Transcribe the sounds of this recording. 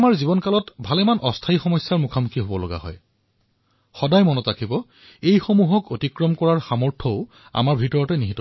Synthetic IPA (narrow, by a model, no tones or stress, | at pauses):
maɹzibɔnkalɔtbʱalɛmanʔɔstʰaixɔmɔjsːaɹmukʰamukʰiɦobɔloɡa̰ɦɔ̰j | xɔdajmɔnɔtakʰibɔ | ejxomuɦɔkotikɹɔmkɔɹaɹxamɔɹtʰɔʊ | a̰maɹbʱitɔɹɔtɛniɦitɔ